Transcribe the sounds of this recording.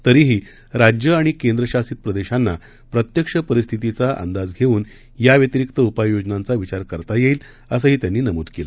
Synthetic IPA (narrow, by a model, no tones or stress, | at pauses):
t̪əɾiːɦiː | ɾad͡ʑjəaɽ̃ikend̪ɾəɕasiːt̪̚pɾəd̪eɕanːa | pɾət̪jəkʂəpəɾist̪ʰit̪it͡saʔə̰nd̪ad͡zɡʱeuːn | jaʋjət̪iɾikt̪əupajjod͡ʑnãnt͡saʋit͡ɕaɾkəɾt̪ajeiːl | əs̬əːɦiːt̪janːiːnəmṵd̪kelə